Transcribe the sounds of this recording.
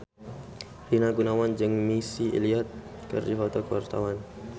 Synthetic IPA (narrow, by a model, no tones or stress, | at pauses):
rinaɡunawand͡ʒɨŋmisiʔḭliat̪̚ | kɨ̰rdifɔt̪ɔkəwart̪awan